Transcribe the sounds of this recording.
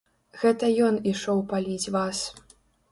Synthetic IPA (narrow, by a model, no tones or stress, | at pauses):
ɣɛt̪ɐjɔniʂɔwpalʲid͡zʲvas